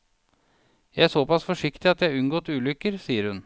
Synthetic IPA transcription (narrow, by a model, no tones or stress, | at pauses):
jæɪæʂsɔpɑsfɔʂɪkt̪ɪɑt̪jæʉŋɡoːt̪ʉːlʏkːəɾsiːəɾhʉn